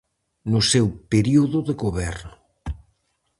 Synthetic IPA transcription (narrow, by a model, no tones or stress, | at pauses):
nʊsewpeɾiuðʊðeɣoβɛrn